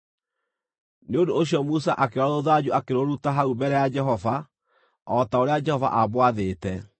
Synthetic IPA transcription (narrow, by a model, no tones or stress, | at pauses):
neodoːɕijɔmusaʔakeɾaðoðad͡ʑuakeɾoɾutaɦaubɛɾɛjad͡ʒɛɦɔva | ɔtaoɾead͡ʒɛhɔva̰ʔabwaðeːtɛ